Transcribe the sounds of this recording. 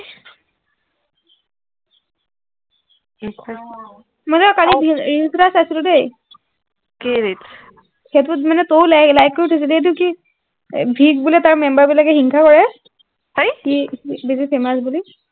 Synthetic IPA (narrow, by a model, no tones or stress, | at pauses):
mɔjzɛkalibʱiɹisɾasasilʊdej | keɹit | heatʊmanɛtowlalajk̚ːoɹitʰosilɛet̬ʊki | bʱiɡbulɛtaɹmɛmbaɹbilakɛxiŋkʰakɔɹɛ | ajkibisifemasbuli